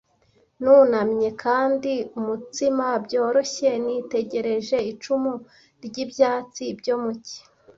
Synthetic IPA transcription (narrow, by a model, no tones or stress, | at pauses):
nuːnamɲe̞kʰaːndiumutimabɟo̞ːɾo̞çe̞nite̞ɟe̞ɾe̞ʒe̞it͡ʃumu | ɾɟibjaːt͡sibjo̞muci̥